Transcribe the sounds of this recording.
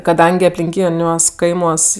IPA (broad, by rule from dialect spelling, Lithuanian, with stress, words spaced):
kɐˈdɐŋʲɡʲɪ ɐpʲlʲɪŋʲˈkʲiːnʲuɔs ˈkɐɪmuɔs